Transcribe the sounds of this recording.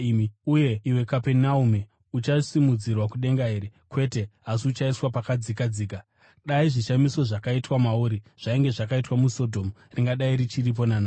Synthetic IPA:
iuje̞iwe̞kapenaume | ut͡ʃasimud͡zirwakuɗe̞ŋɡaɦeɾekwe̞te̞ɦasiut͡ʃaiswapakad͡zikad͡ziːk̬a | ɗaiʐiʃamiso̞ʐakaitwamaoɾiʐ̥aiŋɡe̞ʐakaitwamuso̞dʱo̞mu | riŋɡaɗaiɾit͡ʃirip̬o̞nana

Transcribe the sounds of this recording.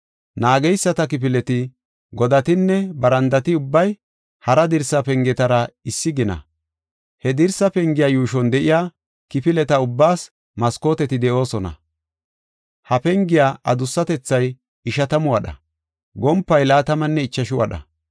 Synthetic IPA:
naːɡɛjsːɐt̪ɐk̬ɪp̬ɪlɛt̪ɪ | ɡɔd̪ɐt̪ɪnːɛbɐɾɐnd̪ɐt̪ɪʊbːɐj | hɐɾɐd̪ɪɾsɐpɛŋɡɛt̪ɐɾɐɪsːɪɡɪnɐ̰ | hɛd̪ɪɾsɐpɛŋɡɪjaːjuːʃɔnd̪ɛʔɪjaː | kɪpɪlɛt̪ɐʊbːaːs | mɐsko̞ːt̪ɛt̪ɪd̪ɛʔo̞ːsɔnɐ̰ | hɐpɛŋɡɪjaːʔɐd̪ʊsːɐt̪ɛt͡sːɐj | ɪʃɐt̪ɐmʊwɐɗɐ̰ | ɡɔmpːɐjlaːt̪ɐmɐnːɛɪt͡ʃːɐʃʊwɐ̰ɗɐ̰

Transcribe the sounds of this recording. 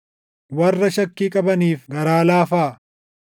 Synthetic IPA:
wɐrːɐʃɐkːiːkʼɐbɐniːfɡɐɾaːlaːfaː

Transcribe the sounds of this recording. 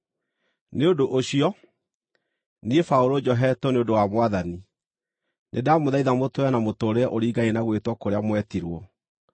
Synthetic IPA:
neondoʔoɕiɔ | niefaoɾod͡ʒɔɦɛtoneondowamwaðani | nʔḛdamoðaiðamotoɛnamotoːɾeɛʔoɾiːɡaenaɣwetwɔkoɾeamwɛtiɾwɔ

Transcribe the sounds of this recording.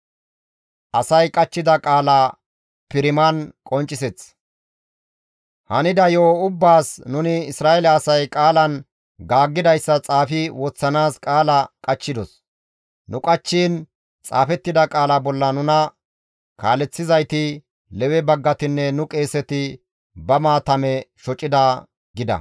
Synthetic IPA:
ʔɐsɐjkʼɐt͡ʃːɪd̪ɐkʼaːla | pɪɾɪmɐnkʼɔnt͡ʃʼːɪsɛt͡s | hɐnɪd̪ɐjoːʊbːaːsnʊnɪɪsɾaːɛlɐːsɐjkʼaːlɐn | ɡaːɡːɪd̪ɐjsːɐt͡sʼaːfɪwɔt͡sːɐnaːskʼaːlɐkʼɐt͡ʃːɪd̪ɔs | nʊkʼɐt͡ʃːiːn | t͡sʼa̰ːfɛt̪ːɪd̪ɐkʼaːlabɔlːɐnʊnɐ | kaːlɛt͡sːɪzɐjt̪ɪ | lɛwɛbɐɡːɐt̪ɪnːɛnʊkʼe̞ːsɛt̪ɪ | bɐmaːt̪ɐmɛʃɔt͡ʃʼːɪd̪a | ɡɪd̪ɐ̰

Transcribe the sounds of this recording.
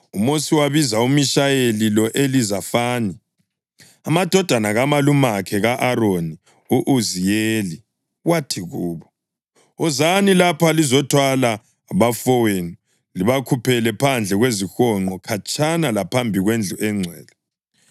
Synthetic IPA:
umosiwaβizaumiʃajelilɔʔelizafaːni | amad̥ʱɔd̥ʱanaɣamalumakʰɛɣaʔaɾoni | uʔuzijeːli | ɣwatʰiɣuːβɔ | ɔzanilapʰalizɔtʰwala | βafɔweni | liβakʰupʰɛlɛpʰand͡ɮʱɛɣwezixɔŋ͡ǃɔkʰat͡ʃʼʰanalapʰambʱiɣwend͡ɮʱuʔɛŋ͡ǀʱwɛːlɔ

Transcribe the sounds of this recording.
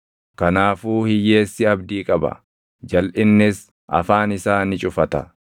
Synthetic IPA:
kɐnaːfuːhɪje̞ːsːɪɐbd̪iːkʼɐbɐ̰ | d͡ʒɐlʔɪnːɪs | ɐ̰faːnɪsaːnɪt͡ʃʼʊfɐt̪ɐ̰

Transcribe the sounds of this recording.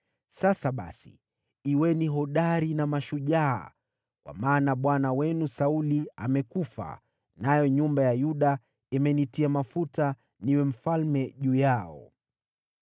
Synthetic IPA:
sasaɓa̰sḭ | iwɛniɦɔɗaɾinamaʃuʄa̰ː | kwa̰maːnaɓwanawɛnusaulia̰mɛkufa̰ | najɔɲumbajajuɗa | imɛnitiamafuta | niwɛm̩falmɛʄuːjaɔ̰

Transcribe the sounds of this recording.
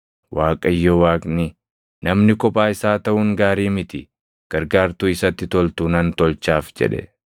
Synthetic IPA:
waːkʼɐjːɔwaːkʼnɪ | nɐmnɪkɔpʼːaːɪsaːt̪ɐʔʊŋɡaːɾiːmɪt̪ɪ | ɡ̥ɐɾɡaːɾt̪uːɪsɐt̪ːɪt̪ɔlt̪uːnɐnt̪ɔlt͡ʃaːfd͡ʒɛ̰ᶑɛ̰

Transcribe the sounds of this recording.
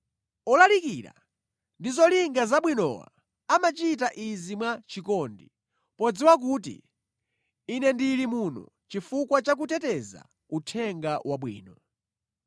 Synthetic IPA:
ɔlalikiɾa̰ | ndizɔliŋɡazaɓwinɔ̰wa̰ | amat͡ʃitaʔizimwat͡ʃikɔndi | pɔd͡ziwak̬uːtḭ | nɛndilimunɔ̰ | t͡ʃifukwat͡ʃak̬utɛtɛza̰ | utʰɛŋɡawʔaɓwḭːnɔ

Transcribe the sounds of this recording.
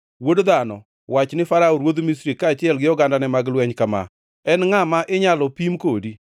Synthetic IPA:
wodd̪anɔ̰ | wat͡ʃnɪfaɾaoɾwod̪mis̬ɾikaːt͡ʃɪɛlɡɪjɔɡandanɛmaɡlwɛɲkama̰ | ɛnŋamaʔɪɲalɔpimkodi

